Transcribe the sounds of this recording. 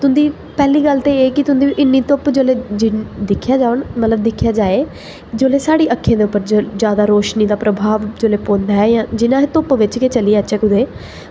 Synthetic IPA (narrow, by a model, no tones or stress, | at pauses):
t̪ʊ̃nd̪iː | pɛːliːɡəlt̪eːeːkɪt̪ʊnd̪iːʔɪnːiːt̪ʊpd͡ʒoːleːd͡ʒɪd̪ɪkʰːjaːd͡ʒaːʋənmət̪ləb̚d̪ɪkʰjaːd͡ʒaːeː | d͡ʒoːleːsaːɽiːʔəkʰːẽːd̪eːʊpːəɾd͡ʒjaːd̪aːɾoːʃniːd̪aːpɾəbʱaːʋd͡ʒoːleːpõːnd̪aːɛːjãːd͡ʒɪnãːɦet̪ʊpʋɪt͡ʃkeːt͡ʃəliːɛːət͡ʃɛːkʊd̪eː